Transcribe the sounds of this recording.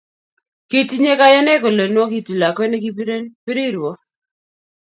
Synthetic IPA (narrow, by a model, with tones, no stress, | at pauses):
ke˦ti˦ɲe˦ka˦jɔ˦nɛ˦ko˨le˨nwɔ˦ki˦ti˨la˨kwɛ˦ne˦ki˦pi˦ɾi˦˨ɾɔ˦